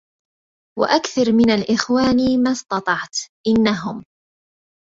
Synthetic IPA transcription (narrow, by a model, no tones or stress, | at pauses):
wa̰ʔakθɑɾˤmɪnalʔɪxwaːniːmast̪ɑt̪ˤɑʕt̪ʔɪnːaɦʊm